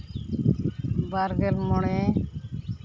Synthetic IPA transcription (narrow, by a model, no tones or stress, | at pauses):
baɾɡeɾmɔɽe